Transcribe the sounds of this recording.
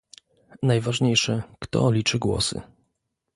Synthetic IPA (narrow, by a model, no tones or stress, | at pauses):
najvaʐɲejʂɛkt̪ɔ̰lʲit͡ʂɘɡwɔ̰sɘ̰